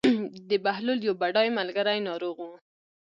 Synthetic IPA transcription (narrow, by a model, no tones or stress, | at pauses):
d̪əbahlʊljawbaɖɑjmalɡaɾajnɑɾoɣwu